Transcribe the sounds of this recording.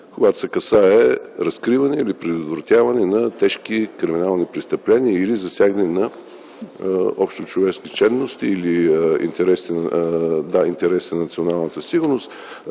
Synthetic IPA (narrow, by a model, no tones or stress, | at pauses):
kʊɡat̪ʊ̥sɛkɐsaɛɾɐskɾivɐnɛilipɾɛd̪ot̪vɾɐt̪ʲjavɐnɛnɐt̪ɛʃkikɾiminalˠnipɾist̪əplɛniəilizɐsʲjaɡnɛnɐ | ɔpʃt̪ot͡ʃovɛʃkit̪t͡ʃɛnːost̪iːliḭnt̪ɛɾɛst̪nd̪aint̪ɛɾɛsit̪nɐt̪sionalˠnət̪əsiɡʊɾnost̪